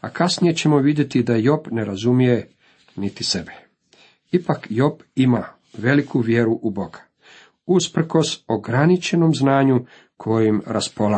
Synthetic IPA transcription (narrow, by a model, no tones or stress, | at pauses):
a̰kasnije̞t͡ɕe̞mo̞ʋid̪je̞t̪id̪ajo̞pne̞ɾazumije̞ | nit̪ise̞be | ipakjo̞pima | ʋe̞likʰuʋje̞ɾuʔubo̞ɡḁ | uspɾ̩ko̞soɡɾanit͡ʃe̞no̞mznaːɲu | kʰojojimɾaspo̞la